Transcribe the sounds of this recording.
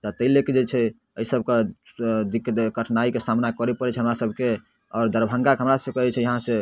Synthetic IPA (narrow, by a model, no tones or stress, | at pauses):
t̪ɔt̪əleked͡ʒet͡ʃʰɛ | əisəbʱked̪ikɡəʈʰnaikesamnakɔɾɛpəɾɛt͡ʃʰɛɦəmɾasəbʱke | ɔːɾd̪əɾbʱə̃ŋɡakeɦəmɾassəkɔɦɛt͡ʃʰɛjəɦãsẽ